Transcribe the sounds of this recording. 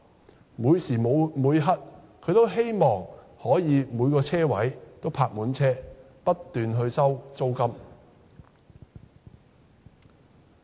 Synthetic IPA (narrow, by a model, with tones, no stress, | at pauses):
muː˨˧jsiː˨˩mo˨˧muː˨˧jɦɐ˥t̚ | kʰɵ˨˧ɥt̪o˥wɦe˥jmɔː˨ŋ | hɔː˨˥jiː˨˧muː˨˧jkɔː˧t͡sʰɛː˥wɐ˨˥jt̪o˥wpʰaː˧k̚muː˨˥nt͡sʰɛː˥ | pɐ˥tt̪ːyː˨nɦɵ˧ɥsɐ˥wt͡so˥wkɐ˥m